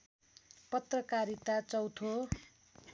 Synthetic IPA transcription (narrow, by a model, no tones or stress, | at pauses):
pʌt̪rʌkaɾit̪at͡sʌwt̪ʰo